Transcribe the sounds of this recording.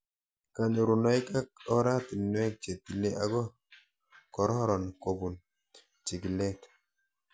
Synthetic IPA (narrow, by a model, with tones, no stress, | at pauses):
ka˨nu˨ɾu˨nɔ˦i˦ka˦k̚ɔ˦ɾa˦ti˨n˦ɛ˦k̚t͡ʃe˨t̚ːi˨le˦a˨˦ɡɔ˦ | kɔ˨ɾɔ˦ɾɔ˨nko˨bu˨n | t͡ʃi˨ki˨lɛ˦k